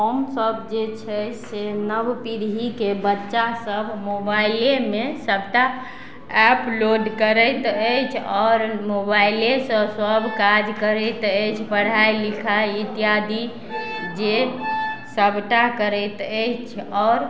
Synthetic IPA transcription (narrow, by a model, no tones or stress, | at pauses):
omsəbd͡ʒet͡ʃʰɛsenəbpiɾɦikebətːʃasəbʱmobailemesəbʱʈa | ɛploɖkəɾəjt̪əjt͡ʃʰɔːɾmobailesəbsəbʱkad͡ʒkəɾət̪əjt͡ʃʰpəɽ̤ajlikʰait̪ijad̪ʱi | d͡ʒe | səbʱʈakəɾət̪əjt͡ʃʰɔːɾ